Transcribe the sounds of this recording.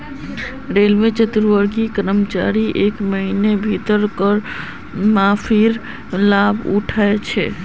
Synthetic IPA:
ɾelmet͡ʃət̪ɾʋəɾɡikəɾəmt͡ʃa̰ɾiʔekməɦinebʱit̪əɾkəɾ | mapʰiɾ | labʱṵʈʰaet͡ʃʰɛ̰

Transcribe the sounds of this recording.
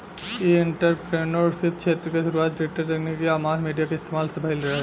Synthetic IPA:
eɪɳʈəɾpɾeːnoːɖsɪt̪̚kt͡ʃʰeːt̪ɾəkeʃʊɾuːaːt̪ɾeʈəɾɾɐknekeaːmaːzmiːɖijakeɪst̪eːmaːlsebʱaːilɾɐaɛ

